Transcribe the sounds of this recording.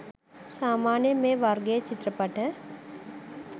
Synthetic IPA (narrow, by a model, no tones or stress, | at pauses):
saːmaːnjəmẽʋaɾɡet͡ʃɪt̪ɾəpɐʈʰə